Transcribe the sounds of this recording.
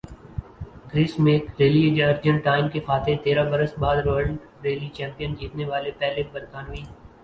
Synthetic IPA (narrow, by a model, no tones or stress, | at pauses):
ɡɾɪsmeːkɾeːlieːd͡ʒaɾd͡ʒə̃ɳʈʈːaːɪmkexaːt̪ʰet̪eːɾabəɾəsbaːd̪ɾəɾl | ɾeːlit͡ʃɛ̃ːmpijənd͡ʒiːt̪neʋaːlepɛɦlebəɾkaːnʋiː